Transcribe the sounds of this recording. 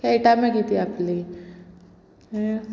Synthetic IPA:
kaiʈamẽkit̪iapli

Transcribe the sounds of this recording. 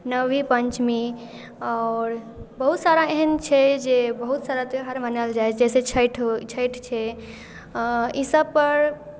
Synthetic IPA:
nəʋipənt͡ʃmi | aɾ | bəɦut̪saɾaeɦənt͡ʃʰɛd͡ʒebəɦut̪saɾat̪ɦəɾmənald͡ʒajt͡ʃʰd͡ʒɛset͡ʃʰəʈʰt͡ʃʰəɪʈʰt͡ʃʰɛ | isəbpəɾ

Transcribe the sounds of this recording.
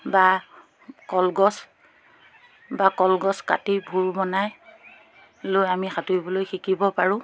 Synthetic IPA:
ba | kɔlɡɔs | bakɔlɡɔska̰tibʱuɹbɔnaj | lojamixatujbɔlojxikibɔpaɹʊ̃

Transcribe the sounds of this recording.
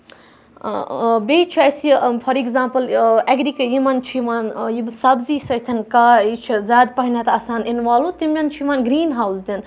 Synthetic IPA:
bʲeːt͡ʃʰɐsfʰɐɾiɡzaːmpɐlɐɡɾikɐjimɐnt͡ʃʰiʋaːnjibsɐbziːsɐjt̪ʰɐnkaːit͡ʃʰizʲaːd̪pɐɦinʲɐt̪ɐsaːninʋaːlut̪imjʲɐnt͡ʃʰiʋaːnɡɾiːnɦaːwzd̪in

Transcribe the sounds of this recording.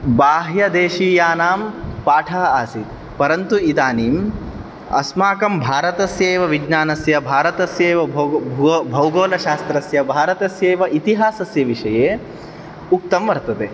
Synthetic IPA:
baːɦjɐd̪eːʃiːjaːnaːmpaːʈʰaːɐaːsi | pɐɾɐnt̪uit̪aːniːm | ɐ̰smaːkɐmbʱaːɾɐt̪ɐsjeːʋɐʋid͡ʒnaːnɐsjɐbʱaːɾɐt̪ɐsjɐːʋɐ | bʱɐwɡoːlɐʃaːst̪ɾɐsjɐbʱaːɾɐt̪ɐsjeːʋɐʔit̪iɦaːsɐsjɐʋiʂɐjeː | uk̚t̪ɐmʋɐɾt̪ɐt̪eː

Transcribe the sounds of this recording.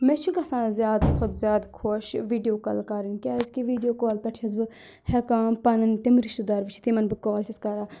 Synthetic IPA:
mɛt͡ʃʰuɡɐsãːzjaːd̪kʰʊd̪zʲjaːd̪kʰoʃʋiːɖijoːkɐlkaɾinkʲɛːzkiʋiːɖijoːkɔːlpɛʈʰt͡ʃʰɐzbɨ | hɛkaːnpɐnɐnt̪emɾiʃt̪ud̪aːɾʋit͡ʃʰi̥t̪imɐnbɨkɔːlt͡ʃʰɐskaɾaː

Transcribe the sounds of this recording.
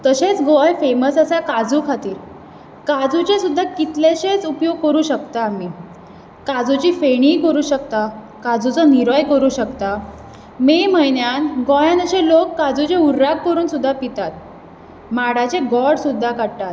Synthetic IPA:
t̪əɕẽt͡sɡɔjfeməsəsakad͡zukʰat̪iːɾ | kad͡zut͡ɕesud̪ʱːakit̪leɕet͡supjoɡ̚kəɾuːɕəkt̪aːmiː | kad͡zut͡ɕiːfeɽ̃iːkəɾuːɕəkt̪a | kad͡zut͡sɔniɾɔjkəɾuːɕəkt̪a | meməjɳjanɡɔjãnəɕẽlokːad͡zut͡ɕeuɾːakːəɾuːnsud̪ʱːapit̪at̪̚ | maɽat͡ɕeɡɔɽsud̪ʱːakaɽʈ̪at̪

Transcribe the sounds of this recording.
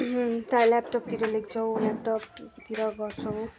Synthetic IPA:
t̪ajlap̚ʈʌp̚t̪iɾʌlekʰt͡sʰʌwlap̚ʈʌp̚t̪iɾʌɡʌrt͡sʰʌw

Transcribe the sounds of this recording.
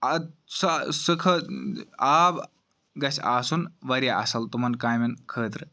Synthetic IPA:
ɐsɨsɨkʰɐ | aːb | ɡɐsʲa̰ːsunʋɐɾʲjaɐ̰sɐlt̪umɐnkaːjmɐnkʰəːt̪ɾɨ

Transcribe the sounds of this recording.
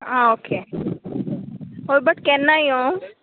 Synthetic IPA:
aoːkʰeː | ɦoːɾbəʈkɛːnːaiõː

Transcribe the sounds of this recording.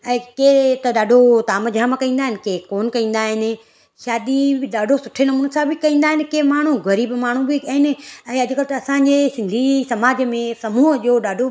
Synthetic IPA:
ɛ̃ːket̪ɐɗaːɖʱot̪aːməd͡ʑʱamakɐ̃ĩːn̆d̪aːɦɪnɪ̆keːkoːnkɐ̃ĩːn̆d̪aːɦɪnɪ̆ | ʃaːd̪ibɗaːɖʱosʊʈʰenɐmuːnsãbɪkɐĩːn̆d̪aːɦɪnɪ̆keːmaːɳ̤ũɣɐɾiːbmaːɳ̤ũbɪɐɦɪnɪ̆ɛ̃ːɐd͡ʑʱʊkəlt̪ɐɐsãːɲd͡ʑesɪ̃nd̪ʱisɐmaːd͡ʑmẽsɐmuːɦəʄoːɗaːɖʱo

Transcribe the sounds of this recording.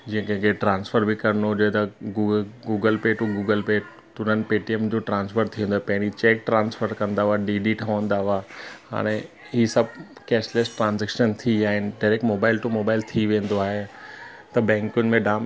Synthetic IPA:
d͡ʑĩẽkẽkʰeʈɾãːnsfəɾbɪkɐɾənoɦʊd͡ʑoɦet̪ɐɡuɡuːɡəlpeːʈuɡuːɡəlpeː | t̪ʊnənɪ̆peːʈiemd͡ʑoːʈɾãːnsfəɾt̪ʰĩnd̪oaɦepɐ̃ɦɪ̃ɾ̃it͡ɕeːk̚ʈɾãːnsfəɾkɐ̃nd̪aɦaːɖiɖiʈʰɐʋə̃nd̪aɦaːɦa̰ːɽ̃ɛ̃ | ɦiːsɐb̚ʱkɛːslesʈʈɾãːnzɛːkʃənt̪ʰiaːɦɪnɪ̆ɖaːɾek̚ʈmoːbaːɪlʈumoːbaːɪlt̪ʰiʋẽːn̆d̪oaːɦet̪ɐbɛ̃ːŋkʊnɪ̆mẽɖaːm

